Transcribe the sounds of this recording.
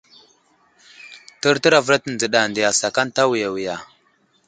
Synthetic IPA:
tə˦ɾtə˦ɾa˨və˦ɾa˦tə˨n˨d͡zə˨ɗa˨ndi˨ja˨sa˨ka˦nta˦wi˨ja˨wi˨ja˨

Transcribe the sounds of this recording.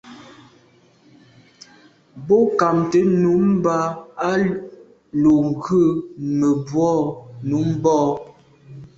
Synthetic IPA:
bo˦ka˨mtə˨˦nu˨˦m˦ba˦a˦ | lo˨ŋ˨ɡə˦˨mə˨bwɔ˦˨nu˨˦m˦bɔː˦˨

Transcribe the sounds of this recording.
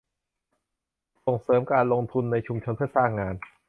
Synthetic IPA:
so˨˩ŋsɤː˩˦mkaː˧nlo˧ŋt̪ʰu˧nːa˧jt͡ɕʰu˧mt͡ɕʰo˧npʰɯ˥ɐsaː˥˩ŋːaː˧n

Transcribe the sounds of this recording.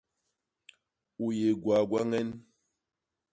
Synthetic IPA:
u˨je˨ɡwa˨ɡwa˦ŋɛ˦n

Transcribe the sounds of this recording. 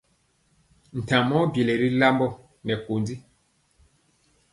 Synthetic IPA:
n̩˨ta˨mɔ˦bji˨le˨ɾi˦la˦mbɔ˦ | nɛ˨ko˨ndi˦

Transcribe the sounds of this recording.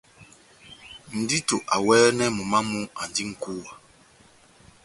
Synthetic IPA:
n̩˨di˦to˨ʔa˨wɛː˦nɛ˦mu˨ma˦mu˦a˨n˨di˦ŋ̩˨ku˦wa˨

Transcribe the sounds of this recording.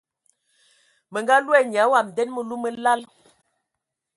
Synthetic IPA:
mə˨ŋɡa˦lu˦ɛ˦˨ɲja˨˦wa˨m˨dɛ˦nmə˦lu˦mə˦la˦l

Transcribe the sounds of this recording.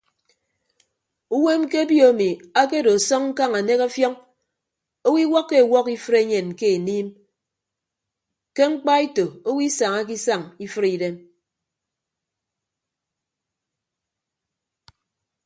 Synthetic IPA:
u˦we˦m˦ke˦a˦bjo˨a˨mi˨a˦k̬e˦˨do˨a˨sɔ˦ŋŋ̩˦ka˦ŋa˨ne˦ka˦fjɔ˦ŋ | o˦wi˦wɔ˦kːe˦a˨wɔ˦ki˦fɨ˦ɾe˦ɲe˨nke˦e˨niː˦m | ke˦ŋ͡m̩˦k͡pa˦i˦to˨o˦wi˦sa˨ŋa˦k̬i˦sa˨ŋi˦fɨ˦ɾi˨de˦m

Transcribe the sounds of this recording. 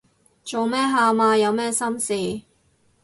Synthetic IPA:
t͡ʃo˨wmɛː˥ɦaː˨maː˧jɐ˨˧wmɛː˥sɐ˥msiː˨˩

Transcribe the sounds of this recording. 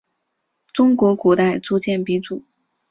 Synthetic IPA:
t͡sʊ˥ŋkwɔ˧˥kwɔ˧˥t̪a˥˧ɪt͡su˥˧t͡ɕjɛ˥˩npi˧˥t͡su˨˩˦

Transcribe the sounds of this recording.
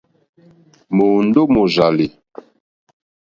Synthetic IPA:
mo˨n̩˦do˦mo˨za˨li˨

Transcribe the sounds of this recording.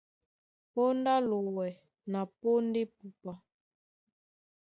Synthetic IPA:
po˦n˦da˦lo˨wɛ˨ | na˨po˦n˦de˦pu˨pa˦

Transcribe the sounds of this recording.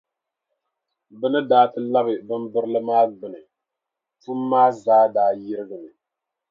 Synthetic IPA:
bɨ˦nɨ˦daː˦tɨ˦la˦bɨ˨bɨ˦mbɨ˦ɾɨ˦lɨ˦maː˦ɡ͡bɨ˨nɨ˨ | tu˦mː˦aː˦zaː˦daː˨ji˦ɾɨ˦ɡɨ˨nɨ˨

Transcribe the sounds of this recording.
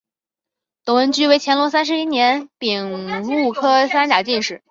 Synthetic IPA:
t̪ʊ˨˩ŋwə˧˥nt͡ɕy˥we˧˥ɪt͡ɕʰjɛ˧˥nlwɔ˧˥s̬a˥nʂɻ̩˧i˥njɛ˧˥npi˨˩ŋlu˥˩kʰɤ˥sa˥nt͡ɕja˨˩t͡ɕi˥˧nʂɻ̩˥˩

